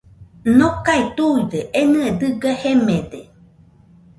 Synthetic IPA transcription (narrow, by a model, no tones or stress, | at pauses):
nõkait̪uid̪eʔenɨed̪ɨɡahemẽd̪e